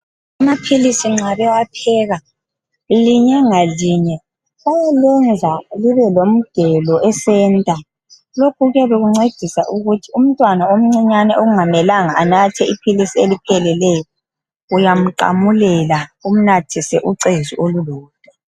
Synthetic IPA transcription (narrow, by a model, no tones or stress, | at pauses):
amapʰilisiŋ͡ǁaβɛwapʰɛːɣa | liɲɛŋaliɲɛ | βajɛlɛnd͡zʱaliβɛlom̩d̥ʱɛlɔʔɛsɛːntʼa | lokʰuɣɛβeɣuŋ͡ǀed̥ʱisa̰ʔuɣutʰium̩tʼwanaom̩ŋ͡ǀiɲanɛʔoɣuŋamɛlaŋaʔːnatʰɛipʰilisielipʰɛlɛlɛjɔ | ujam̩ǃa̰mulɛlaum̩natʰisɛʔuǀeziʔoluluːd̥̚ʼʱɛ